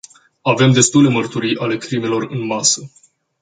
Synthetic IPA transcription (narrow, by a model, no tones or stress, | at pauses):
ave̞md̪e̞st̪ule̞mərt̪uɾijʔale̞kɾime̞lo̞rɨnmasə